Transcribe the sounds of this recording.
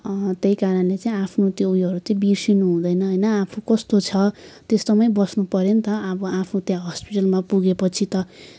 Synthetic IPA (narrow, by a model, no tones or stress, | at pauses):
t̪ejkaɾʌnlet͡saĩapʰnot̪joujʌɾut͡saĩbisinuɦũd̪ʌjnʌɦʌjnʌapʰukʌst̪ot͡sʰʌt̪est̪omʌjbʌsnupʌɾent̪ʌʌbʌapʰnõt̪jãɦʌspiʈʌlmapuɡepʌt͡sʰit̪ʌ